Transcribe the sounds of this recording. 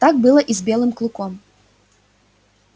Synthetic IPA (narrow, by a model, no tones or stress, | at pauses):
t̪ak̚bɨlˠɐʔizbʲɛlˠɨmklˠukɔm